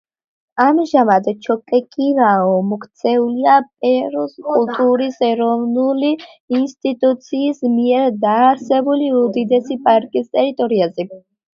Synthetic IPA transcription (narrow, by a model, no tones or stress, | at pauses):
amʒamad̪t͡ʃʰɔkʼɛkʼiɾaɔmɔkʰt̪sʰɛuliapʼɛɾɔskʼulˠt̪ʼuɾisɛɾɔvnuliː | nst̪ʼit̪ʼut̪sʰiːsmiɛɾd̪aːɾsɛbuliud̪id̪ɛsipʼaɾkʼist̪ʼɛɾit̪ʼɔɾiazɛ